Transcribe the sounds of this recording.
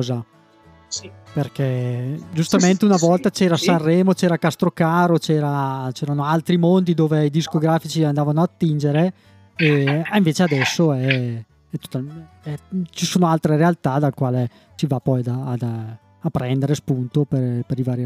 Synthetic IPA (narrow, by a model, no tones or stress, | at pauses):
za | perkɛd͡ʒust̪ament̪eunavɔlt̪at͡ʃɛːɾasarrːɛːmot͡ʃɛːɾakast̪ɾokaːɾot͡ʃɛːɾat͡ʃɛːɾanoalt̪ɾimond̪id̪oːveid̪iskoɡɾaːfit͡ʃiand̪aːvanoat̪ːind͡ʒeɾe | eiɱveːt͡ʃead̪ɛsːoɛ | ɛt̪ːo̥t̪ːa | ɛt͡ʃisoːnoalt̪ɾeɾealt̪ad̪alkwaːle | sivapɔjad̪aːd̪ | apːɾɛnd̪eɾespunt̪opepeɾivaːɾj